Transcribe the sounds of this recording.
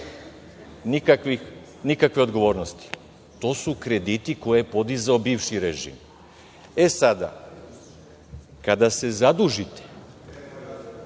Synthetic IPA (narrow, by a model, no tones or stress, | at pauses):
nikakʋix | nikakʋe̞o̞d̪ɡo̞ʋo̞ːɾnost̪i̥ | t̪o̞ːsukɾe̞d̪it̪iko̞jejepo̞d̪izao̞biːʋʃiɾeʒḭm | e̞sad̪a̰ | kad̪ase̞zad̪uʒit̪e̥